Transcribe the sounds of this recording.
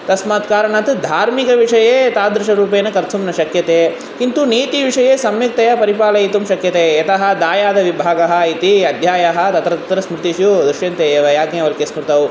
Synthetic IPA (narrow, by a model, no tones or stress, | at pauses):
t̪ɐsmaːt̪kaːɾɐɳɐt̪d̪ʱaːɾmikɐʋiʂɐjeːt̪aːd̪ɾɪʃɐɾuːp̬eːnɐkɐɾt̪ʰumnɐʃɐkjɐt̪eː | kint̪uniːt̪iʋiʂɐjeːsɐmjɐk̚t̪ɐjɐpɐɾipaːlɐjit̪umʃɐkjɐt̪eːjɐt̪ɐɦɐ̆d̪aːjaːd̪ɐʋibʱaːɡɐɦɐ̆it̪iɐd̪ʱjaːjɐɦɐ̆t̪ɐt̪ɾɐt̪ɐt̪ɾɐsmɾɪt̪iʃjud̪ɾɪʃjɐnt̪eːeːʋɐjaːɡneɐʋɐɾkesmɾɪt̪ɐw